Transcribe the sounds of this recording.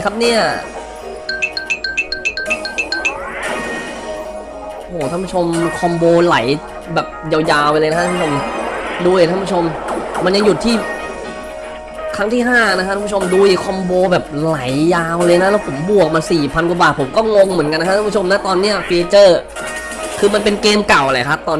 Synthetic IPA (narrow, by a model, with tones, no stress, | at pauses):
kʰa˦˥p̚ni˥˩ɐ | hoː˩a˥˩pu˥t͡ɕʰo˧mkʰɔ˧mboː˧la˩˦j | bɛː˨˩p̚ja˧wjaː˧wa˧lɤː˧jna˥a˥˦u˥˩o˧mduː˧˨˩aː˥˩pʰu˥t͡ɕʰo˧mːa˧nja˧ŋju˨˩t̪ʰːiː˥˩ | kʰɾa˦˥ŋt̪ʰiː˥˩ɦaː˥˩˧na˦˥kʰa˥a˧˦pʰu˥˩o˧mduː˧i˨˩kʰɔ˧mboː˧bɛː˨˩p̚la˩˦jjaː˧wlɤː˧jna˦˥lɛː˦˥wpʰo˩˦mbu˨˩ək̚ma˧nsiː˨˩pʰa˧nkwa˨˩baː˨˩t̪̚pʰo˩˦mkɔː˥˩ŋo˧ŋmɯ˩˦ənka˧nː˧˦˥a˥pʰu˥t͡ɕo˧mna˦˥t̪ɔː˧nːi˦˥˩ɐfiː˧t͡ɕɤː˥˩ | kʰɯː˧ma˧npe˧nkeː˧mka˨˩wʔla˨˩kʰa˦˥t̪ɔː˧n